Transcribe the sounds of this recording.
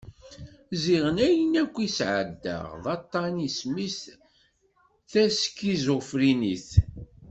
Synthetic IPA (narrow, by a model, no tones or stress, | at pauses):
ziʁənæjənækʷːisʕəd̪ːə̰ʁðˤɑt̪ˤːɑnismis | θæskːizʊfɾiniθ